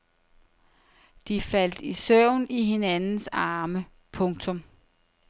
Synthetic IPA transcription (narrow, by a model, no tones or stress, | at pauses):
d̥ifæl̰d̥isœʊ̰niɦe̝nænn̩sɑːmə | pʰɔ̽ŋt͡sʰɔ̽m